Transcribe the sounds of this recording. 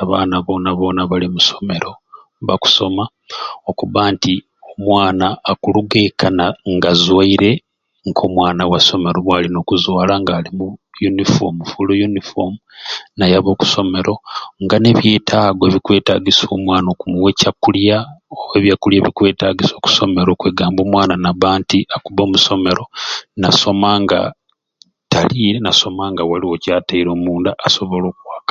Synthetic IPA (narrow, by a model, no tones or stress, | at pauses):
aβa̰ːnaβo̞ːnaβo̞ːnaβalimuso̞me̞ɾo̞ | βaku̥so̞ma | okuβanti | o̞mwaːnaːkuluɡekanaŋɡazwaiɾe̞ | ŋkʰo̞mwaːnawaso̞me̞ɾo̞βwaːlino̞ːkuzwaːlaŋɡalimujunifo̰mufulojunifo̰munajaβo̞ːku̥so̞me̞ɾo̞ŋɡane̞βje̞ːtʰaːɡoβikwe̞ːtaɡiso̞ːmwaːnokumwe̞cakːuljaoeβjakːuljaβikwe̞ːtaɡiso̞ːku̥so̞me̞ɾo̞ːkweːɡaːmbo̞ːmwaːnanaβaːntiʔakuβo̞ːmuso̞me̞ɾo̞naso̞maŋɡa̰ | taliːɾenaso̞maŋɡawaliwo̞caːtaiɾo̞ːmuːndaʔːso̞βolo̞ːkwaːkḁ